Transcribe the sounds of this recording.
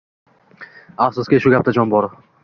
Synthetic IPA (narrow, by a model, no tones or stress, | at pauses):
afsʊskʲiʃʊɡʲap̚t̪ʰad͡ʒɒnbɒɾ